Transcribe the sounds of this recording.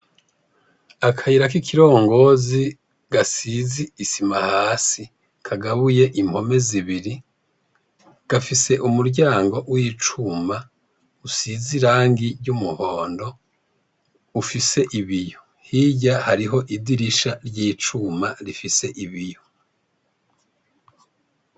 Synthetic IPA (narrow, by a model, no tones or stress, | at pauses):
akʰaiɾakikʰiɾo̞ːŋɡo̞zi | ɡ̥asiziːsimahaːsi | kʰaɡaβuje̞ʔimho̞me̞ziβiɾi | ɡ̥afise̞ʔumuɾɟaːŋɡo̞wit͡ʃuma | usiziɾaːŋɡiɾɟumuho̞ːndo̞ | ufise̞ʔiβijo̞ | hiɟahaɾiɦo̞ʔidiɾiʃaɾɟiːt͡ʃumaɾifise̞ʔiβijo̞